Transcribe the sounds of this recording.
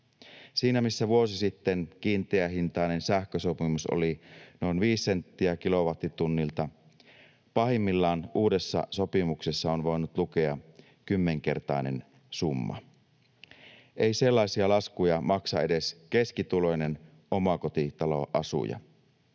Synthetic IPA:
siːnæmisːæʋuosisit̪ːenkiːnt̪eæɦint̪ɑˑinensæhkøsopimuso̰lino̞inʋiːsːent̪ːiækilo̞ʋɑt̪rit̪unːilt̪ɑ | pɑɦimːilːɑːnuːdesːɑ̰sopimuksesːɑonʋo̞enut̪lukeɑ | kymːeŋke̞̰rt̪ɑ̰ˑinḛn | sumːɑ̰ | ʔeiselːɑˑisiɑlɑskujɑmɑksɑ̰e̞deskeskit̪ulo̞jnen | ʔomɑkot̪it̪ɑlo̞̰ʔɑ̰sṵjɑ̰

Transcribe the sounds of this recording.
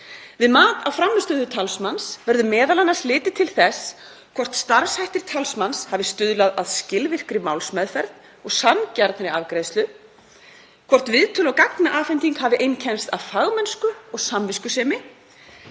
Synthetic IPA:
vɪðmaːt̪awfɾamːst̪ʏːðʏt̪ʰalsmansvɛɾðʏmɛːðalanːaɾ̥slɪːt̪ɪt̪ʰɪlθɛs | kʰvɔr̥t̪st̪aɾshajht̪ɪɾ̥t̪ʰalsmanshavɪst̪ʏðlaðaðscɪlvɪr̥kɾɪmawlsmɛðfɛɾt̪n | ɔɣsancaɾt̪nɾɪavkɾeːjðst̪lʏ | kʰvɔr̥t̪vɪðt̪ʰʏːlawkaknaʔaːfɛjnt̪iŋkhavɪʔejncʰɛnst̪aðfaɣmɛnskʏɔɣsamvɪskʏsɛːmɪ

